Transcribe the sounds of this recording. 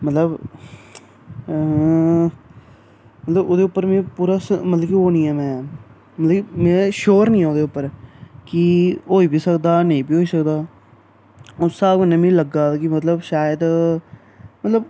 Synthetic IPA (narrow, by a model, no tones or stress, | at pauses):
mət̪ləb | mət̪ləbod̪eːʊpːəɾmẽːpuːɾaːsmət̪ləkioːnĩːɛːmɛ̃ː | mət̪ləkːmeːʃoːɾnĩːaːoːd̪eːʊpːəɾkiɦoːiːbiːsəkd̪aːneĩːbiːɦoːiːsək̚d̪aː | ʊsaːbʊnẽmĩːləɡaːkɪmət̪ləbʃaːjəd̪ | mət̪ləb